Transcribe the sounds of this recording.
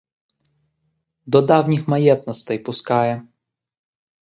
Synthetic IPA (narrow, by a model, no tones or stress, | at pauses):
d̪ɔd̪awɲʲixmajɛt̪nɔst̪ɛjpuskajɛ